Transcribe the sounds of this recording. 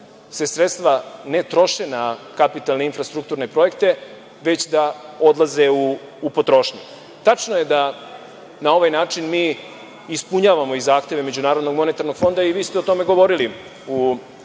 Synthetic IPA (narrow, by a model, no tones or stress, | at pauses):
se̞sɾet̪st̪ʋane̞t̪ɾo̞ʃenakapit̪alne̞infɾast̪ɾuk̚t̪uɾnepɾo̞je̞kt̪e̞ | ʋe̞t͡ɕd̪ao̞d̪lˠaze̞uː | po̞t̪ɾo̞ːʃɲi | t̪at͡ʂnoje̞d̪a | nao̞ʋajnaːt͡ʂinmiː | ispuɲaːʋamo̞izːaːxt̪e̞ʋe̞me̞d͡ʑunaːɾo̞d̪no̞ɡmo̞ne̞t̪aɾno̞ɡ̥fo̞nd̪aiʋiːst̪eo̞t̪o̞me̞ɡo̞ʋo̞ɾili | u